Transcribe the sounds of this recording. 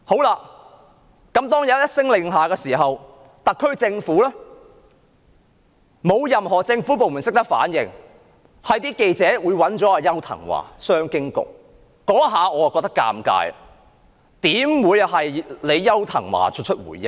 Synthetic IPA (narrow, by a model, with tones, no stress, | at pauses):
ho˨˥wlaː˧ | kɐ˨˥mt̪ɔː˥ŋjɐ˨˧jɐ˥jɐ˥t̚sɪ˥ŋlɪ˨˧ŋɦaː˨kɛː˧siː˨˩ɦɐ˨w | t̪ɐ˨kʰːɵ˥ɥt͡sɪ˧ŋfuː˨˥lɛː˥ | mo˨˧wjɐ˨mhɔː˨˩t͡sɪ˧ŋfuː˨˥p̬o˨wmu˨˩sɪ˥k̚t̪ɐ˥k̚fa̰ː˨˥njɪ̰˨ŋ | hɐ˨jt̪iː˥ke˧jt͡sɛː˨˥wuː˨˧jwɐ˨˥nt͡ʃɔː˨˥aː˧jɐ˥wt̪ʰɐ̰˨˩ŋwa̰ː˨˩sœː˥ŋkɪ˥ŋkʊ̰˨k̚ː | ɔː˨˥ɦaː˨˧ɔː˨˧a˨kɔ˧k̚t̪ɐ˥kːa̰ː˧mka̰ː˧j | t̪iː˨˥mwuː˨˧jhɐ˨jle˨˧jːɐ˥wt̪ʰɐ̰˨˩ŋwa̰ː˨˩t͡ʃʰɵ˥t̚t͡ʃʰɵ˥t̚wṵ˨˩jjɪ˦ŋ̚